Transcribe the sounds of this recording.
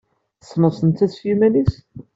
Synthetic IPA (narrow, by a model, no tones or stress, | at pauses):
θəsːməsˤənt̪ːæθfjumænis